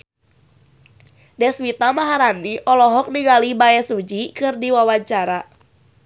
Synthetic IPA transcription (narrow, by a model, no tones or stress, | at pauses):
dɛswit̪amaɦaɾaniʔɔlɔɦɔk̚niŋalibaɛsud͡ʒikɨrdiwawaɲt͡ʃaɾa